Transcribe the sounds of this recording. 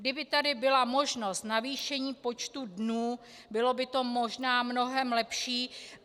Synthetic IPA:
ɡdɪbɪt̪adɪbɪlamo̞ʒno̞st̪naviːʃɛɲiːpo̞t͡ʃt̪udnuː | bɪlo̞bɪt̪o̞mo̞ʒnaːmno̞ɦɛmlɛpʃiː

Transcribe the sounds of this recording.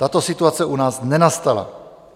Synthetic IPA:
t̪at̪o̞sɪt̪uat͡sɛʔunaːsnɛnast̪ala̰

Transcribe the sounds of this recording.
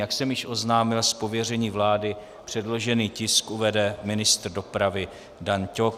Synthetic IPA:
jaksɛmjɪʃʔo̞znaːmɪlspo̞vjɛrɛɲiːvlaːdɪ | pr̝̥ɛdlo̞ʒɛniːcɪskʔuvɛdɛmɪnɪst̪r̩do̞pɾavɪ | dancok

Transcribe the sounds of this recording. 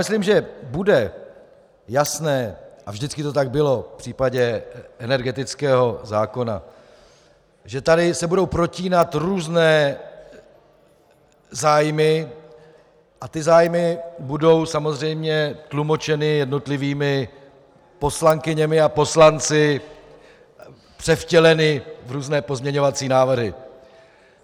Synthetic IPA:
mɪsliːmʒɛbudɛ | jasnɛːʔavʒdɪt͡skɪt̪o̞t̪aɡ̚bɪlo̞fpr̥iːpaɟɛʔɛnɛɾɡɛt̪ɪt͡skɛːɦo̞zaːko̞na̰ | ʒɛt̪adɪsɛbudo̞wpɾo̞ciːnat̪ɾuːznɛː | zaːjmɪ | ʔat̪ɪzaːjmɪbudo̞wsamo̞zr̝ɛjmɲɛt̪lumo̞t͡ʃɛnɪjɛdno̞t̪lɪviːmɪ | po̞slaŋkɪɲɛmɪapo̞slant͡sɪ | pr̥ɛfcɛlɛnɪvɾuːznɛːpo̞zmɲɛɲo̞vat͡siːnaːvr̩ɦɪ̰

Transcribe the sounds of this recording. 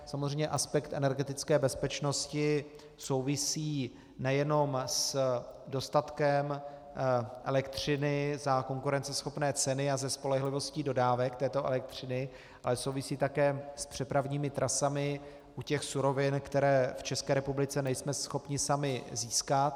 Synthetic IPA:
samozrɛjɲɛʔaspɛkt̪ʔɛnɛɾɡɛt̪ɪt͡skɛːbɛspɛt͡ʃno̞scɪ | so̞wvɪsiː | nɛjɛno̞msdo̞st̪at̪kɛm | ʔɛlɛkt̪r̝̥ɪnɪzako̞ŋkuɾɛnt͡sɛsxo̞pnɛːt͡sɛnɪazɛspo̞lɛɦlɪvo̞sciːdo̞daːvɛkt̪ɛːt̪o̞ʔɛ̰lɛk̚t̪r̥ɪnɪ | ʔalɛso̞wvɪsiːt̪akɛːspr̝̥ɛpɾavɲiːmɪt̪ɾʔasamɪ | ʔucɛxsuɾo̞vɪnkt̪ɛɾɛːft͡ʃɛskɛːɾɛpublɪt͡sɛnɛjsmɛsxo̞pɲɪsamɪziːskat̪

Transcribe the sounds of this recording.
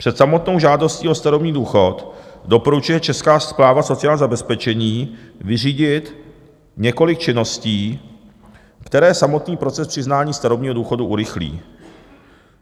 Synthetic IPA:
pr̝̥ɛt̪samo̞t̪no̞wʒaːdo̞sciːost̪aɾobɲiːduːxo̞t̪do̞po̞ɾut͡ʃujɛt͡ʃɛskaːsplaːvaso̞t͡sɪjaːlzabɛspɛt͡ʃɛɲiːvɪr̝iːɟɪt̪ | ɲɛko̞lɪkt͡ʃɪno̞sciː | kt̪ɛɾɛːsamo̞t̪niːpɾo̞t͡sɛspr̥ɪznaːɲiːst̪aɾobɲiːɦoduːxo̞duʔuɾɪxlḭː

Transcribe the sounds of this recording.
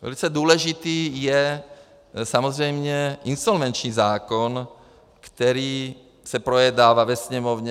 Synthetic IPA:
ʋɛ̰lit͡sɛd̪ʊɔlɛʒit̪iːjɛ | samɔzɾɛjmɲɛinsɔlʋɛnt͡ʃniːzaːkɔn | kt̪ɛɾiː | sapɾɔjɛd̪aːʋaʋɛsɲɛmɔʊɲɛ

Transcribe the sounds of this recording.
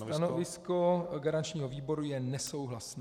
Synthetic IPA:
t̪anovvɪskoɡaɾant͡ʃɲiːɦoviːbo̞ɾujɛnɛso̞wɦlasnɛ

